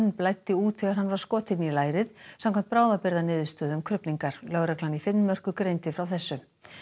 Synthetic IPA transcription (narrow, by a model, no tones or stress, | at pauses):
nːplaːjt̪ːɪuːt̪θɛɣaɾ̥ɦanːvaɾ̥skɔːt̪ɪnilaːjɾɪðsamkʰamnt̪pɾaːwðapɪɾðanɪːðʏst̪œːðʏmkʰɾʏpniŋkaɾ̥lœɣɾɛklanifɪnmmœr̥kʏkɾejnt̪ɪfɾawθɛsːʏ